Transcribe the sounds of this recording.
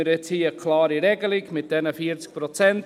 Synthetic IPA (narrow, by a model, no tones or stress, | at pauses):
ɪɾɛt͡shiːəkʰlɑːɾiɾɛɡəlɪɡmɪt̚d̥ɛnəfiːɾt͡sk̚pɾot͡sɛnt